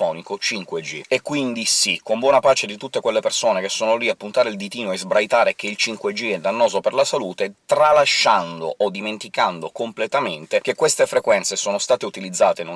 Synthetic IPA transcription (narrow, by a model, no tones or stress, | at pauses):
ɔːnikot͡ʃiŋkwed͡ʒiekːwind̪isikːombwɔːnapaːt͡ʃed̪it̪ut̪ːekwelːepersoːnek̟esːoːnoliapːunt̪aːɾeild̪it̪iːnoezbɾajt̪aːɾek̟eilt͡ʃiŋkwed͡ʒːiɛd̪anːɔːzoperlasaluːt̪et̪ɾalaʃːand̪oʔod̪iment̪ikand̪okomplet̪ament̪ek̟ekːwest̪efɾekwɛnsesoːnost̪aːt̪eut̪ilid̪zːaːt̪enu